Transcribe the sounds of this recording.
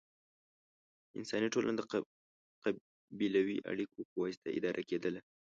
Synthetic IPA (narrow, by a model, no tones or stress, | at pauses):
ɪ̰nsɑniʈolʔa̰nad̪ə | qa | bilawiʔa̰ɽikopəwɑst̪aɪ̰d̪ɑɾʔaked̪əla